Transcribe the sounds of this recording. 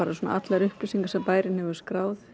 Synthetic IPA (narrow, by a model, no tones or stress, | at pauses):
aːɾasɔna̰ʔat̪laɾʏhplʏsiŋkḁsɛmpaːjɾɪnhɛvʏɾ̥skɾaːwθ